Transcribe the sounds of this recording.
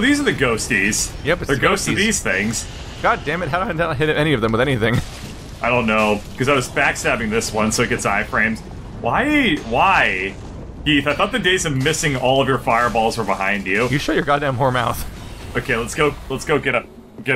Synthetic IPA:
ðizə˞ðɨɡoʊstiz̥jɛb̥ʌðə˞ɡoʊstɨðiz̥θɪ̃ŋz̥ | ɡ̥ɑdæ̃mɨd̚ɦaʊɾõdæ̃ɦɪɾɨɾɛñiʌvðɨ̃mwəðɛ̃niθɪ̃ŋ | aɪɾõʊ̃nːoʊkʰʌzaɪwʌzbækstæbɪ̃ŋðɪswʌ̃nsoʊɨɡ̥ɛtsaɪfɹẽɪ̃mz̥ | waɪwaɪ | hiθaɪθɔt̪̚ðɨdeɪzʌvmɪsɪ̃ŋɔlˠʌvjə˞faɪə˞bɔlˠz̥fə˞bəhã̰ɪ̃nd͡ʒʉjɨʃojə˞ɡɑdæ̃mhɔɹmaʊθoʊkʰeɪlətsɡ̥oʊlətsɡ̥oʊɡɛɾʌ | ɡ̥ɛ

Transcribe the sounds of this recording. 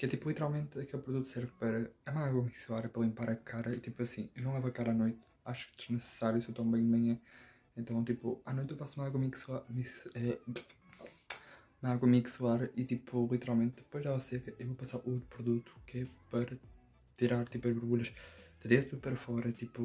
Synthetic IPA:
kɛt̪ipulˠit̪ɨɾalˠmẽnt̪ɐkelˠpɾuðut̪u̥sɛɾvpɐɾɐɐmɐaɣwɐmikslˠaɾɐpɐɾɐlˠĩmpaɾɐkʰaɾɐit̪ipuɐsĩewnɐ̃lˠɛvɐkaɾanojt̪ | aʃu̥kd̪ɨʒnɨsɨ̥saɾjusewt̪ɐ̃w̃bɐ̃j̃d̪mɐ̃ɲɐ̃ | ẽnt̪ɐ̃w̃t̪ipuanojt̪ewpasumɐaɣwɐmikslˠaɾmikɛ | umɐaɣwɐmikslˠaɾɐit̪ipulˠit̪ɨɾalˠmẽnt̪d̪ɨpojʒɛlˠɐsɛkɐʔevopɐsaɾot̪pɾuðut̪u̥kɛpɐɾɐ | t̪iɾaɾt̪ipuɐʒβɨɾβuʎɐʃd̪ɨdẽt̪ɾupɐɾɐfɔɾɐt̪ipu

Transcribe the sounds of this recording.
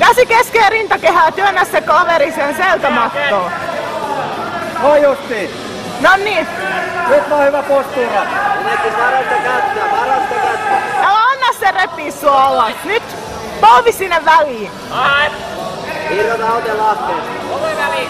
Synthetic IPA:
kæsikeskeːrint̪ɑkehæːt̪yønːæssekɑʋeɾisenselt̪æmɑt̪ːoː | ʋoijust̪iː | noniː | nyt̪ʋohyʋæpost̪iːʋɑ | pɑɾent̪ekɑt̪ːɑpɑlɑnt̪oɑjæɑnːɑsserepːiːssuɑɑlɑsnyt̪ | pɑlʋissinːeʋʋæliːn | iljonɑot̪jɑlɑst̪iːt

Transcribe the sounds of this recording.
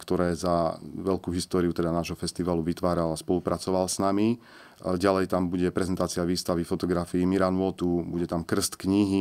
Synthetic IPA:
kt̪ɔɾɛːzaʋɛlkuːɦist̪ɔːɾiut̪ɛd̪anaːʒɦɔfɛst̪iʋaːluʋit̪ʋaːɾalaspɔlupɾʔat͡sɔʋalsnami | ɟalɛjt̪ambuɟɛpɾɛzɛnt̪aːt͡siaʋiːst̪aʋifɔt̪ɔɡɾafiːmiɾanʊɔt̪ubuɟɛt̪amkr̩st̪kɲiɦi

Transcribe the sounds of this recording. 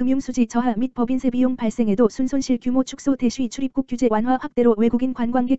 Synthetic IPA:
kɯmjuŋsʰud͡ʑit͡ɕʌɦamit̚p͈ʌbinsʰe̞bijoŋpaɭs͈e̞ŋɦe̞dosʰunsʰonɕʰiɭkjumot͡ɕʰu̥k̚s͈ode̞ɕʰiit͡ɕʰuɾip̚k͈uk͈jud͡ʑe̞wanɦwaɸwak̚t͈e̞ɾowe̞ɡuɡinkwanɡwanɡe̞

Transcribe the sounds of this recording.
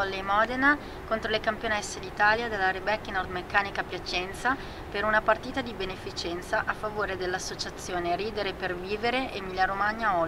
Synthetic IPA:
ɔlːemɔd̪ena | kont̪ɾolekampjonɛsːed̪it̪aːljad̪elːaɾebɛkːnɔrd̪mekːaːnikapjat͡ʃɛnt̪sa | peɾunapart̪iːt̪ad̪ibenefit͡ʃɛnt̪saʔafːavoːɾed̪elːasːot͡ʃat̪sːjoːneɾiːd̪eɾeperviːveɾeʔemiljaɾomaɲːaɔ

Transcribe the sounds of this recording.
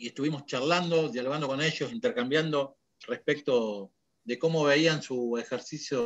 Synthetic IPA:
e̞ht̪uβimo̞st͡ʃarland̪o̞ðjaluand̪o̞kone̞ʒo̞sint̪eɾkambjand̪o̞ | rehpek̚t̪o̞ | ðe̞ko̞mo̞βeiansuexeɾsisjo

